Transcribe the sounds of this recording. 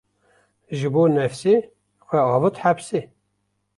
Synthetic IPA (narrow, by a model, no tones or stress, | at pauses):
ʒɨboːnɛfsi | xʷɛɑːvɨt̪ħapsi